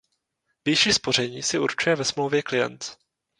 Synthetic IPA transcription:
vjɛʃiːspo̞r̝ɛɲiːsɪuɾt͡ʃujɛvɛsmlowvjɛklɪjɛ̰nt̪

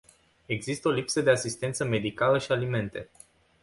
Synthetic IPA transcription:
e̞ɡzist̪əo̞lipsəd̪e̞asist̪ent̪səme̞d̪ikaləʃialime̞nt̪e̞

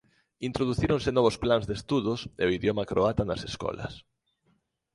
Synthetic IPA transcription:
int̪ɾoðuθiɾõŋsɪnɔβʊsplanzd̪est̪uðʊsḛoiðjomɐkɾoat̪ɐnɐseskɔ̰lɐ̰s

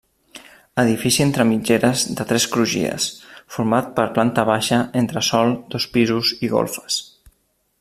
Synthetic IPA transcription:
əðifisient̪ɾəmid͡ʒeɾəzðət̪ɾɛskɾuʒḭə̰sfuɾmat̪̚pəɾplant̪əβ̞aʃəent̪ɾəsɔlˠd̪ɔspizuziɣo̰lˠfə̥s

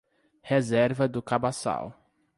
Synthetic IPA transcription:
hezɛɾvɐd̪ʊkabasa̰w

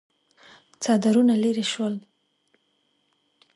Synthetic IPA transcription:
t͡sɑd̪aɾunaleɾeʃwəl

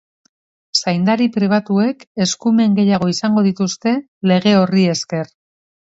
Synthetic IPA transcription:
sajnd̪aɾipɾiβ̞at̪ue̞ke̞skume̞ŋɡe̞jaɣ̞o̞isaŋɡo̞ðit̪ust̪e̞ | le̞ɣ̞e̞o̞rie̞ske̞r

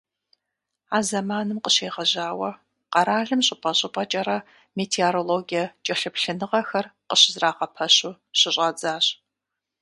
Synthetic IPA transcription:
aːzɐmaːnɨmqəɕeːʁɐʑaːwɐ | qɐɾaːɮɨmɕʼɪpʼɐɕʼɪpʼɐt͡ʃʼɐɾɐ | meːtʰeoɾoloːɡijɐt͡ʃʼɐɬɨpɬɨnɨʁɐxɐrqəɕɪzraːqɐpʰɐɕu | ɕɪɕʼɐd͡zaːɕʼ

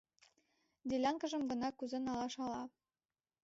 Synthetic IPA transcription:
d̪ʲelʲɑŋkə̆ʒə̆mɡɤ̆nɑkuzĕnɑlɑʃɑlɑ

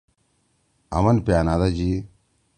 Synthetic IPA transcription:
ɐ̰mɐnpaːnad̪ad͡ʒi

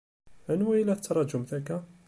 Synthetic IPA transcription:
ænwæjəlæt̪ːɑɾˤɑd͡ʒʊmt̪ækæ

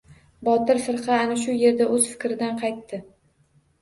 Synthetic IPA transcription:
bɒt̪ɪɾfɪɾqʰɑːnaʃ̬ʊje̞ɾd̪aʔɵz̥fɪ̥kʲɾɪd̪anqʰɑjt̪ːɪ

